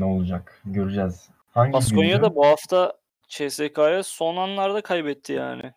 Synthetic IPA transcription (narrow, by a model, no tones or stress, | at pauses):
ɛolˠud͡ʒakɟøɾyd͡ʒɛz̥ | haɲɟbaskonjad̪abuhaft̪ʰa | t͡ʃʰɛsekʰaːjaso̞nanlˠaɾd̪akʰajbɛt̪ʰːija̰ːnɪ̰